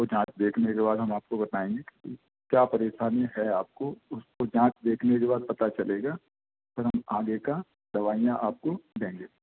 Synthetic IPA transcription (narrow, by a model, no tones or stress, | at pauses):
od͡ʒãːt͡ʃd̪eːkʰnekebaːd̪ɦɐmaːp̚kobɐt̪aːẽːŋɡeki | kjaːpɐɾeːʃaːniɦɛaːp̚koʊskod͡ʒãːt͡ʃd̪eːkʰnekebaːd̪̚pɐt̪at͡ʃɐleːɡaː | pɐɾɦɐmaːɡeka | d̪ɐʋaːijãʔaːp̚kod̪ẽːŋɡeː